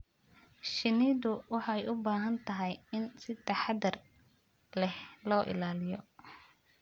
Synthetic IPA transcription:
ʃɪniðʊwɑħɑɛjʊbaːɦɐnt̪ʰɐɦɛjɪnsɪt̪ʰɐħɑd̪ɐr | lɛhlɔːʔɪ̰laːlɪjɔ

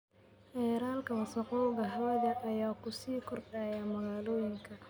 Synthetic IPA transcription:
ɛːɾaːlkʰɐwɐsɐqɔwɣɐɦɐwɐðɐʔɐjaːkʰʊsiːkʰɔrdaːjamɐɣaːlɔːjɪŋkʰɐ

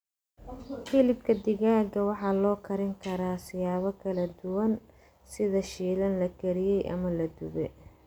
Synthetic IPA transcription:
filɪbkʰɐd̪ɪɣaːɡɐwɑħɑːlɔːkʰɐɾɪŋkʰɐɾaːsɪjaːβɐkʰɐlɐd̪ʊwɐn | sɪðɐʃiːlɐnlɐɡʰɛɾɪjɛjʔɐ̰mɐlɐd̪ʊɣɛ

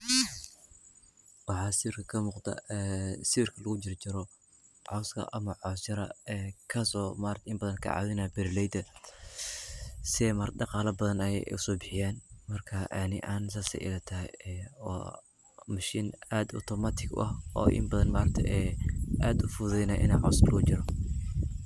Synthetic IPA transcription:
wɑħɑːsɪɪrkʰɐ̥kʰɐmuːqd̪ɐ̰ɛsɪrkʰɐlɐɣʊt͡ʃɪrt͡ʃɪɾɔ | ʕɔskʰɐ̰ʔɐmɐʕɔst͡ʃɐɾɐ̰ɛkʰɐsɔːmaːɾt̪ʰɪmbɐðɐnkʰɐ̰ʕɑ̰ːðɪnaːbɪɾlɛjd̪ɐ | sɪɛmɐɾdɑqɑːlɐbɐðɐnɛjɛ̰ʊsɔːbɪħɪjaːnmɐrkʰaʔɐnɪʔaːnsaːsɛ̰ʔɪ̰lɐt̪ʰaːɔ̰ː | mɐʃiːnaːd̪ʊ̰t̪ʰɔmaːt̪ʰɪɡʊ̰ʔɐhɔ̰ːʔɪ̰mbɐðɐnmaːɾɐt̪ʰɛ̰ʔɛʔaːd̪ʊfʊðɛjnaːʔɪ̰na̰ːʕɔ̰ːskʰɐlʔɐɣʊt͡ʃɪɾɔ

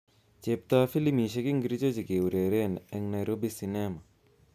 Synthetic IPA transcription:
d͡ʒep̚t̪aːfilimiʃ̬ɐɡiŋɡɾid͡ʒod͡ʒiɡeuɾeɾeneŋnɐjɾobisinema

